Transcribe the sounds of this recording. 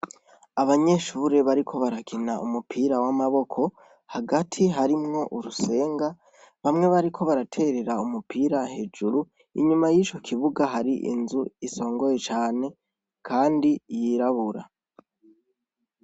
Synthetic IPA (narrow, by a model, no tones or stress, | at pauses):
aβaɲe̞ʃuːɾe̞βaɾikʰo̞βaɾakʰinaumupʰiːɾawamaβo̞kʰo̞ | haɡatʰiɦaɾimŋo̞ʔuɾuse̞ːŋɡa | βamŋe̞βaɾikʰo̞βaɾatʰe̞ɾe̞ɾaumupʰiːɾahe̞ːd͡ʒuɾu | ḭɲumajiːt͡ʃo̞kʰiβuɡaɦaɾiʔḭnzuiso̞ːŋɡo̞je̞t͡ʃaːne̞ | kʰaːndijiːɾaβuɾa̰